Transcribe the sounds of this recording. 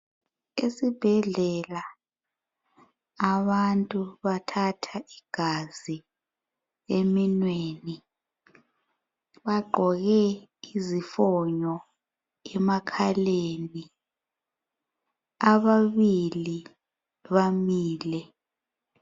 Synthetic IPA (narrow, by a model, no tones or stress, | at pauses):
esib̥ʱɛɮɛla | βantʼuβatʰatʰaʔiɡ̥ʱazi | eminweːni | βaɡ͡ǃʱɔɣɛizifɔɲɔ | ɛmakʰaleni | aβaβili | βamiːlɛ